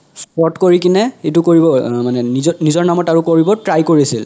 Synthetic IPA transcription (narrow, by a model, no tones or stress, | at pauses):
spɔtkoɹik̬inɛxetʊkoɹibɔmanɛninizɔɹnamɔtaɹʊkoɹibɔtɹajkoɹisil